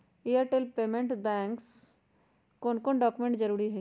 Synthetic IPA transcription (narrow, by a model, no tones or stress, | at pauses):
ijəɾʈeːlpeːmẽɳʈɖɛ̃ːŋks | koːnkoːnɖɔːkumẽɳʈd͡ʒɐɾuːɾiɦɛ